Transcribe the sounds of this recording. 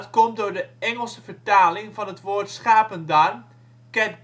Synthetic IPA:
tkɔmdʊːɹdəɛŋəlˠsəvəɹtaːlɪŋvɑnɦətʋoːrtsχaːpəndar | kɛnt

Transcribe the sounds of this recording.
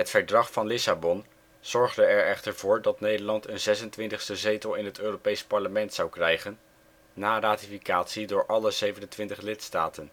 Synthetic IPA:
ɦətfəɹdrɑχfɑnlɪsabɔn | z̥ɔɹχdəɛɹɛχtəɹv̥ʊːɹdɑtnejdəɹlɑntənzɛsəntʋɪntəχstəzejtəlˠɪnɦətøːropejspɑɹləmɛntsɑwkrɛjχənː | aːraːtifikaːtsidʊːɹʔɑləzejvənəntʋɪntəχlɪtstaːtən

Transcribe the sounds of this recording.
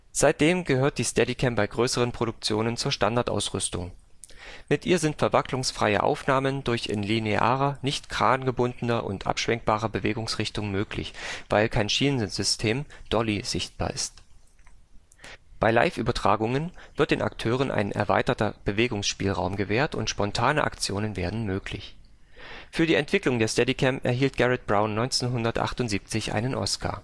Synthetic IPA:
z̥aɪt̚d̥eːmɡəhøːɐt̚d̥iːstɛdikʰɛmpb̥aɪɡʁøːsəʁənpʁ̥oɾʊk̚t͡sjoːnənt͡suːɐʃtandaɐtʔa̰ʊsʁʏstʊ̰ŋ | mɪtʔiːɐzɪntfɛɐvaklʊŋsfʁ̥a̰ɪə̰ʔa̰ʊfnaːməndʊɐçɪ̰nlineʔa̰ːʁɐnɪçtɡ̥ʁ̥aːnɡəbʊndən̩ɐʔʊ̰ntʔa̰pʃv̥ɛŋk̚b̥aːʁɐbəveːɡʊŋsʁɪçtʊŋmøːklɪ̰çv̥aɪlkʰaɪnʃiːnənzʏstʰeːmd̥ɔliz̥ɪçt̚b̥a̰ːɐʔɪst | b̥aɪla̰ɪfʔyːbɐtʁ̥a̰ːɡʊŋənv̥ɪɐt̚d̥eːnʔa̰ktʰøːʁ̞ənʔa̰ɪnʔɛ̰ɐva̰ɪtɐtɐb̥əveːɡʊŋsʃpiːlʁa̰ʊmɡəveːɐtʊ̰ntʃpɔntʰaːnəʔa̰kt͡sjoːnənveːɐdn̩møːklɪ̰ç | fyːɐdiːʔɛntv̥ɪklʊŋdeːɐstɛdikʰɛmpʔɛ̰ɐɦiːlt̚ɡ̥ɛʁɛt̚b̥ʁaʊnːɔʏnt͡seːnɦʊndɐtʔa̰χtʊntziːp̚t͡sɪçʔa̰ɪnənʔɔ̰skʰa̰ː

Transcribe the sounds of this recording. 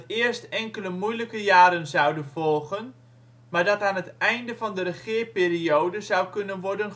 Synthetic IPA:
ɪərstɛŋkələmujləkəjaːɾənzʌwdənvɔlˠɣən | maːɹdɑtaːnətɛjndəvɑndəɾəχɪəɹpiːriowdəzʌwkɵnənʋɔɹdən

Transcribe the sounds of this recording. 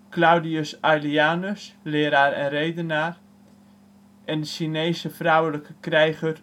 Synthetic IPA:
klawdiəsajliaːnəslɪːəɾaːɾɛ̰nrejdənaːr | ʔɛndəʃineːsəfrawələkʰəkrɛjχər

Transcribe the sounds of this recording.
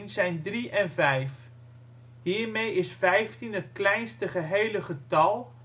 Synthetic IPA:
nzɛjndriʔɛnvɛjf | ɦiːɹmejɪsfɛjftinɦətklɛjnstəχəɦejləχətɑlˠ

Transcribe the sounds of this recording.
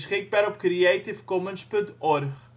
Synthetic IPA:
sχɪk̚baːɾɔp̚kriɛtifkɔmənspɵntɔrχ

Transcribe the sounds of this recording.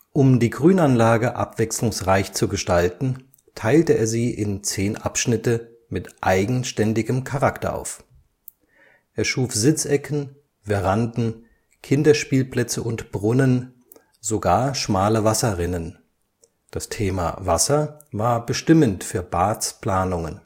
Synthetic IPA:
ʔʊmdiːɡʁyːnanlaːɡəʔa̰pv̥ɛkslʊŋsʁaɪçt͡suɡəʃtaltn̩ | tʰaɪltəʔeːɐziːʔɪnt͡seːnʔa̰pʃnɪtə | mɪtʔaɪɡŋ̩ʃtɛndɪɡəmkʰaʁaktɐ̰ʔa̰ʊf | ʔeːɐʃuːfz̥ɪt͡sʔɛkʰən̩ | vɛʁandn̩ | kʰɪndɐʃpiːlpl̥ɛt͡səʊntb̥ʁʊnən | zoɡaːɐʃmaːləvasɐʁɪnən | d̥astʰeːma̰vasɐvaːɐbəʃtɪməntfyːɐbaːt͡spl̥aːnʊŋən

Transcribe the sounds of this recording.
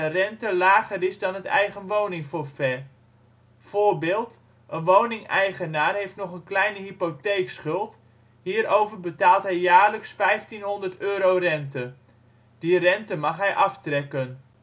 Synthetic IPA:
ərɛntəlaːɣərɪzdɑnɦətɛ̰jɣənʋownɪŋfofɛ | v̥oːɹbɪːlˠt | ʔənʋownɪŋɛjχənaːrɦejftnɔχənklɛjnəɦipotejksχʏlˠt | ɦiːɾowvərbətaːlˠtɦɛjːaːɹləksfɛjftinɦɔndərtøːɾowrɛntə | d̥irɛntəmɑχɦɛjʔɑftrɛkən

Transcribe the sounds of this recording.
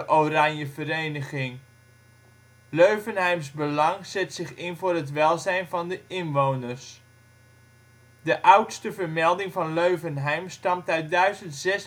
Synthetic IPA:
ʔoranjəvəɾejnəχɪŋ | løɥvənɦɛjmzbəlɑŋz̥ɛtsɪχɪnvʊːrɦətʋɛlˠzɛjnvɑndəʔɪnʋownərs | dəʔʌwtstəvərmɛlˠdɪŋvɑnløɥvənɦɛjmstɑmtœɥt̚dœɥzəntz̥ɛs

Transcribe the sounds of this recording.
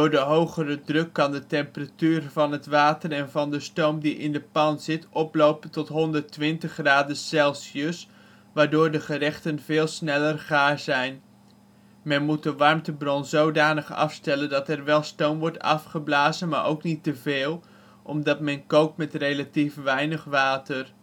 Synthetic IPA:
dʊːɹdəɦowχərədrɵkːɑndətɛmpəratyːrvɑnɦətʋaːtərɛnvɑndəstowmdiʔɪndəpɑnzɪtʔɔplowpətɔtɦɔndəɹtʋɪntəχraːdəsɛlˠsəs | ʋaːɹdʊːɹdəχərɛχtənvɪːlˠsnɛlərχaːɹzɛjn | mɛnmut̚dəʋɑrmtəbrɔnzowdaːnəχɑ̰fstɛləndɑtɛrʋɛlˠstowmʋɔɹtɑ̰fχəblaːzənmaːɹʔowknitəveːlˠ | ʔɔmdɑtmɛnkowk̚tmɛtrejlatifʋɛjnəχʋaːtər

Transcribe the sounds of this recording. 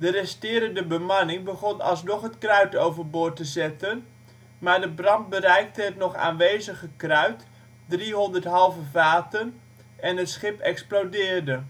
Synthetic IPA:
dərɛstɪːɾəndəbəmanɪŋbəɣɔnɑ̰lˠs̬nɔχɦətkrœɥtowvərbʊːrtəzɛtən | maːɹdəbrɑnt̚bərɛjk̚təɦətnɔχa̰ːnʋejzəɣəkrœɥt | driɦɔndərtɦɑlˠvəvaːtən | ɛnɦətsχɪpɛksplodɪːrdə

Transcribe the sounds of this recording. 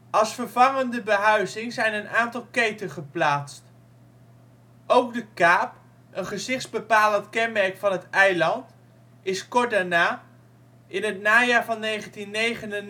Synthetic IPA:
ʔɑlˠsfəɹvɑŋəndəbəɦœɥzɪŋzɛjnənaːntɑlˠkejtənχəplaːtst | ʔowkdəkaːp | ʔənχəzɪχdzbəpaːləntkɛnmɛɹkfɑnɦətɛjlɑnt | ɪskɔt̚daːɹnaː | ʔɪnɦət̚naːjaːɹvɑnːejχəntinːejχənən

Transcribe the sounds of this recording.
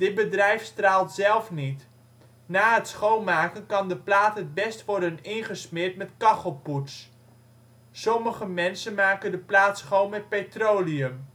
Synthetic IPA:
d̥ɪd̚bədrɛjfstraːlˠtsɛlˠfnit | naːɦətsχowmaːkənkɑndəplaːtɦət̚bɛstʋɔɹdənɪnχəsmɪrtmɛtkɑχɔlˠputs | sɔməχəmɛnsənmaːkəndəplaːtsχowmɛt̚petrowliəm

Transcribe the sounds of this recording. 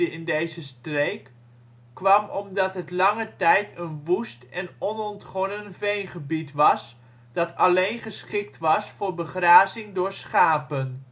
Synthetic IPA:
əɪndejzəstrejkː | ʋɑmɔmdɑtɦətlɑŋətɛjtʰənʋustɛnɔnɔntχɔnənvejnχəbitʋɑs | d̥ɑtɑlejnχəsχɪk̚tʋɑsfʊːɹbəχraːzɪŋdʊːɹsχaːpən

